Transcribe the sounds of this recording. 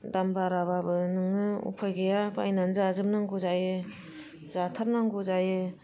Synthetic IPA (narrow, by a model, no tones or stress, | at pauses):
dambaɾababɯnɯŋɯṵpʰajɡejaba̰jnanzaazɯmnaŋɡuzajɯ | zatʰaɾnaŋɡuzajɯ